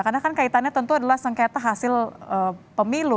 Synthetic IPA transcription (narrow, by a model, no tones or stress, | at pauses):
karnakankait̪anɲat̪ənt̪uadalahsəŋket̪aɦasɪləpəmilu